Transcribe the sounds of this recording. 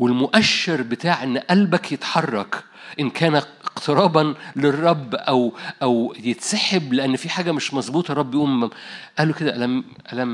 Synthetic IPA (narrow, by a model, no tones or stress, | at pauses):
welmoʔæʃːeɾbet̪aːʕʔenːʔælbækjet̪ħɑrˤːɑk | ʔɪnkʰæːnæqt̪eɾˤɑːbɑnlerˤːɑbːʔæwʔæwjet̪saħebleʔænːfiħaːɡæmeʃmɑzˤbuːt̪ˤɑrˤɑbːjʔuːmʔæːlːoked̪æʔælæm | ʔælæm